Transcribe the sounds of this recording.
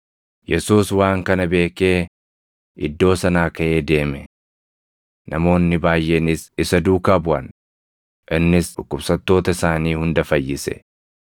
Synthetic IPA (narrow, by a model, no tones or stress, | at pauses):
jɛsuːswaːŋkɐnɐbe̞ːke̞ː | ɪd̪ːo̞ːsɐnaːkɐʔe̞ːd̪e̞ːmɛ | nɐmo̞ːnːɪbaːjːenɪsɪsɐd̪uːkaːbʊʔɐn | ʔɪnːɪsᶑʊkːʊbsɐt̪ːo̞ːt̪ɐɪsaːniːhʊnd̪ɐfɐjːɪsɛ̰